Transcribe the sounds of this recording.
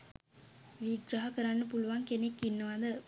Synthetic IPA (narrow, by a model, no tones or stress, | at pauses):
ʋiɡɾaɦɐkɐɾanːɯp̬uluʋaːŋkenekːinːɐʋand̪ɐ